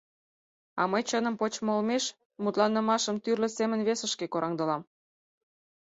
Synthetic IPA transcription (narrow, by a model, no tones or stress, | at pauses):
ɑ̰məjt͡ɕənə̆mpot͡ɕmolmeʃ | mut̪lɑnːə̆mɑʃəmt̪yrlə̆semənβesə̆ʃkekoɾʔɑŋd̪ɤ̆lɑm